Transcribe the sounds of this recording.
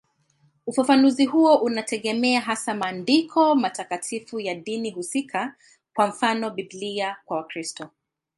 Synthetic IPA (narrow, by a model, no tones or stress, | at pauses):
ufafanuzihuɔʔunatɛɠɛmɛaɦasamaːndikʰɔmatakatʰifujaɗinihusikʰa | kwam̩fanɔbibliakwawakɾistɔ